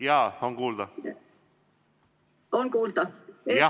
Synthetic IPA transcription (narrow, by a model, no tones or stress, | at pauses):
jɑːonkuːld̪ɑ | onkuːld̪̥ɑjɑ